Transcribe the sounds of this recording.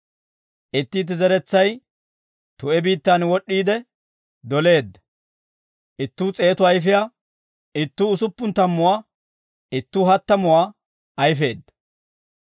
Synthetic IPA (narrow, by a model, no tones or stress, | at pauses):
ʔɪt̪ːiːt̪̬ːɪzɛɾɛt͡sːɐj | t̪ʊɛbiːt̪ːanwɔɗːiːd̪ɛ | d̪ɔle̞ːd̪ːɐ̥ | ʔɪt̪ːuːt͡sʼe̞ːt̪ʊɐjfɪjaː | ɪt̪ːuːʊsʊpːʊnt̪ɐmːʊwaː | ɪt̪ːuːɦɐt̪ːɐmʊwaː | ɐjfe̞ːd̪ːɐ̥